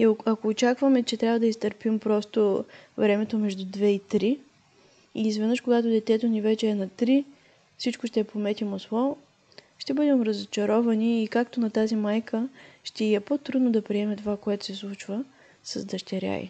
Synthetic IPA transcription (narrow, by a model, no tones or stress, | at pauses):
ioɐkoːt͡ʃakvəmɛt͡ʃɛt̪ɾʲavəd̪ɐist̪əɾpimpɾɔst̪ovɾɛmɛt̪omɛʒd̪ud̪vɛit̪ɾi | iːzvɛd̪əʃkoɡat̪ʊd̪ɛt̪ɛt̪onivɛt͡ʃɛːnɐt̪ɾi | fsit͡ʃkoʃt̪ɛpomɛt̪ʲimoslˠɔ | ʃt̪ɛbɤd̪ɛmɾəzot͡ʃɐɾɔvɐniːkak̚t̪onɐt̪azimajkʰəʃt̪ɛiɛpot̪ɾud̪nod̪ɐpɾiɛmɛt̪ovakoɛt̪ʊ̥sɛslˠut͡ʃvə | sɐ̰zd̪ɐʃt̪ʲɛɾʲja̰ḭ